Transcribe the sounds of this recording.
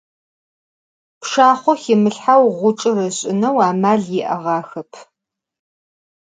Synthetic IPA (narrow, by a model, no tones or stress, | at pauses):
pʂaːχʷɔxɪmɨɬħawʁʷʊt͡ʃʼɨrɐɕʼɪnɐwaːmaːɮjɪʔɐ̰ʁɑːxɐpʰ